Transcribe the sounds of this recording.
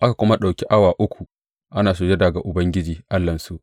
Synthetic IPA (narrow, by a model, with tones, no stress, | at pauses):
ʔa˦ka˨kʷʊ˦ma˦ɗa˨wkʲi˦ʔa˦waː˨ʔʊ˦kʷʰu˨ | ʔa˦naː˨su˦d͡ʒe˦da˨ɡa˨ʔʊ˨bɐ˦ŋɡʲɪ˦d͡ʒiː˨ʔa˦lːɐ˨nsu˦ʔ